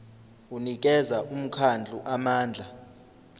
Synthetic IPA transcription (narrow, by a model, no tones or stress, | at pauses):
unik̬ʼɛzaʔum̩kʰand͡ɮʱuʔamaːnd͡ɮʱa